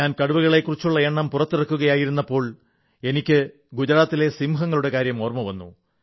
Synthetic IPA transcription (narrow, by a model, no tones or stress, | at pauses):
aːnkɐɽuʋuɣɐɭe̞kːurit͡ɕːuɭːɐeɳːɐmpurɐt̪ːirɐkːuɣɐjaːjiɾunːɐpːo̞ːɭ | e̞nikʲːɨ | ɡud͡ʑɐɾaːt̪ːile̞simɦɐŋːɐɭuɽe̞kaːɾjɐmo̞ːrmɐʋɐnːṵ